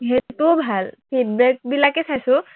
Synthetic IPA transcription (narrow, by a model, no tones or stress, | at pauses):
ɦet̪ubʱalpʰid̚bɛk̚bilakesʰajsu